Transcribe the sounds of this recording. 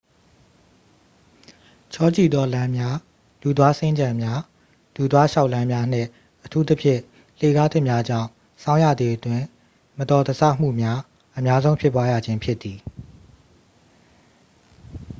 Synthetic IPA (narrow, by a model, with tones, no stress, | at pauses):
t͡ɕʰɔ˦t͡ɕḭ˦˨d̪ɔ˦lã˦mja˦ | lu˨d̪wa˦sɪ̃˦ɲd͡ʑã˨mja˦ | lu˨d̪wa˦ʃa˦ʊʔlã˦mja˦n̥ɪ̰̃˦˨ | ʔətʰu˦t̪ə˦pʰjɪ̰̃˦˨ | l̥e˦˨ɡa˦t̪ʰɪ̃˦˨mja˦d͡ʑã̰˦˨ʊ̃ | sʰã˦ʊ̃jä̰˦˨d̪ðe˨ʔətwɪ̃˨ | mətɔ˨d̪ə˨sʰa˦˨m̥ṵ˦˨mja˦ | ʔəmja˦zõ˦ʊ̃pʰjɪ˦pːwa˦ja̰˦˨d͡ʑɪ̃˦mpʰjɪ˦t̪ːi˨